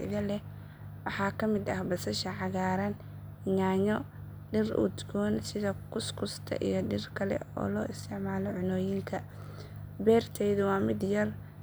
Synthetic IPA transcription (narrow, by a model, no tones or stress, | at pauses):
ɪ̰ɣɐlɛ | wɑħɑːkʰɐmɪd̪ɐhbɐsɐʃɐʕɑɣaːɾɐn | ɪɲaːɲɔ | ɖɪrʔʊ̰t̪ɡɔːnsɪðɐkʰʊskʰʊst̪ʰɐ̰ʔḭjɞɖɪrkʰɐlɛ̰ɔ̰ːlɔːʔɪst̪ʰɪʕmaːlɔʕʊnɔːjɪŋkʰɐ | bɛːrt̪ʰɛjðʊwɑːmɪd̪jɐr